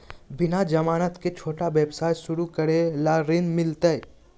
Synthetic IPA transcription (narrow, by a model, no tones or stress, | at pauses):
bɪnad͡ʒɐmaːnət̪ket͡ʃʰoːʈaʋeːbsaːjsʊɾukəɽelaɾɪnmɪlt̪əj